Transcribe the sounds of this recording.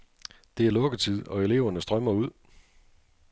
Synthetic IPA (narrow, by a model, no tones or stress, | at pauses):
d̥e̝æɐlɔ̽ɡ̥ət͡sʰið̰ˠɒ̽e̝le̝ʊɐnəsd̥ʁɶmɐuð̞̰ˠ